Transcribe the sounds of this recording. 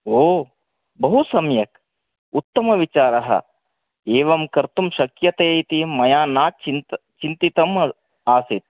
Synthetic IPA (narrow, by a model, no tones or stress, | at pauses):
oː | bɐɦusɐmjɐk | ut̪ːɐmɐʋit͡ʃaːɾɐɦɐ̰ | eːʋɐmkɐɾt̪umʃɐkjɐt̪eːit̪imɐjaːnaːt͡ʃi | t͡ʃint̪it̪ɐm | aːsit̪̚